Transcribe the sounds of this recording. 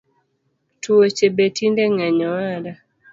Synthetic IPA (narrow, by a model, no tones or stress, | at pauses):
tʰuot͡ʃebetindɛŋaɲɔwaɾa